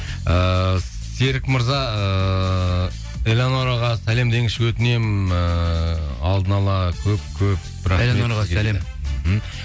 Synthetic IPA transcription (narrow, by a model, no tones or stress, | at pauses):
ə | seɾɪkməɾzɑə | elʲanoɾɑʁɑsæle̞md̪e̞ŋɪʃɪkʲwɵt̪ɪne̞mə | ɑlˠd̪ənɑlˠɑkʲʰɵp̚kʲʰɵp̚ | ɾɑmeoɾæle | m̩